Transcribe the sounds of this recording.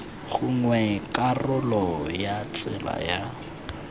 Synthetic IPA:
ɣuŋwɛkʼarʊlɔjat͡sʼɪla̰ja

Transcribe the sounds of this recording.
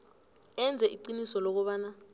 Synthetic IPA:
ɛnd͡zʱɛʔiǃinisɔlok̬uɓaːna

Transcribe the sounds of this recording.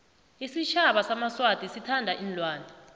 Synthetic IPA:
isit͡ʃʰaɓasamaswatʼisitʰandʱaʔinlʱwaːnʱa

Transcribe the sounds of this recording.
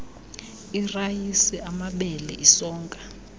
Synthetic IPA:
irajisɛamaɓɛlɛ̰ʔisɔːŋkʼa

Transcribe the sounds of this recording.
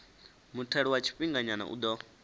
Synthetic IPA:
mutʰɛɺiwat͡ʃʰi̥ɸiŋɡaɲana̰ʔṵd̪ɔ

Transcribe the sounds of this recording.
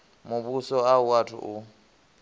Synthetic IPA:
mʊβusɔauwatʰṵʔʊ

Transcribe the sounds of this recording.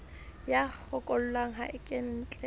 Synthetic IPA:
jak͡xʰɔkʼɔl̩laŋ̩ɦaʔɪkʼɪn̩ːt͡ɬʼɛ

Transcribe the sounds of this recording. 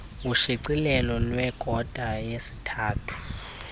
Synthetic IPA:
uʃiǀilɛlɔlwɛɡ̥ʱɔd̥ʱajesi̥tʰaːtʰu̥

